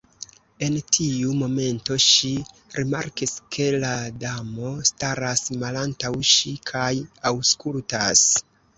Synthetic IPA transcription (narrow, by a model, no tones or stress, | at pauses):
e̞ntʰiumo̞me̞nto̞ʃi | ɾima̰ɾkiskʰe̞ladamo̞staɾasmalantawʃikʰajawskultas